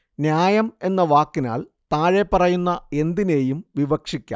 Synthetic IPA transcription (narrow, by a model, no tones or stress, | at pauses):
njaːjɐme̞nːɐʋaːkːina̰ːlt̪aːɻe̞pːɐrɐjunːɐe̞nd̪ine̞ːjumʋiʋɐkʂikʲːa̰ː